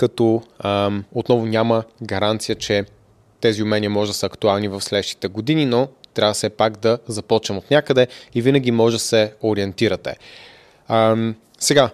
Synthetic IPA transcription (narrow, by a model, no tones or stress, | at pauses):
kɐt̪ɔ | ot̪nɔvʊnʲaməɡɐɾant̪sijət͡ʃɛ | t̪ɛziʊmɛnʲiəmɔʒɛd̪ɐsəːkt̪ualˠnivɐfslɛd̪əʃt̪i̥t̪ɛɡod̪ininot̪ɾʲavəsɛpaɡd̪ɐzɐpɔt͡ʃnɛmot̪nʲakəd̪ɛivinəɡ̟imɔʒd̪əsɛoɾiɛnt̪iɾət̪ɛ̰ | sɛɡa